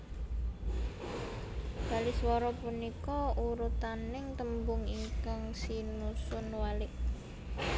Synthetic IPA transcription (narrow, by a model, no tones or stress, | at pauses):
b̥a̤lɪswɔɾɔpunikɔuɾut̪anɪŋt̪əmbʊŋiŋkaŋsinusʊnwalɪʔ